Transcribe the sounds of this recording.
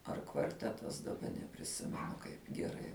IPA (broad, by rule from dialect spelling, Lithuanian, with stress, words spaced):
ɐr kʋɐrʲˈtʲæːtɐs dɐˈbɐ nʲɛpʲrʲɪˈsʲɪmʲɛnʊ kɐɪp ɡʲɛˈrɐɪ